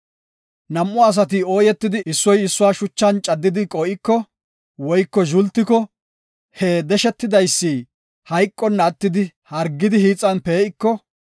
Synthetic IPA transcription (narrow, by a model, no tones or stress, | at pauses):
nɐmːʊɐs̬ɐt̪̬ɪoːjɛt̪ːɪd̪ɪʔɪsːɔjɪsːʊwaːʃʊt͡ʃːɐnt͡ʃʼɐd̪ːɪd̪ɪkʼɔːʔɪkːɔ | wɔjkːɔʒʊlt̪ːɪkɔ | hed̪ɛʃɛt̪ːɪd̪ɐjsːiː | hɐjkʼːɔnːɐːt̪ːɪd̪ɪ | hɐɾɡːɪd̪ɪhiːt͡sʼːɐnpeːʔɪkːɔ